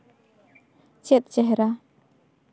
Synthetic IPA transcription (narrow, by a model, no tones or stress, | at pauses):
t͡ʃɛt̪̚t͡ʃɛɦɾa